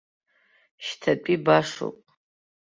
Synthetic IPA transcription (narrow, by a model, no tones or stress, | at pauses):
ʃtʰɐpʼibaʂo̰kʼ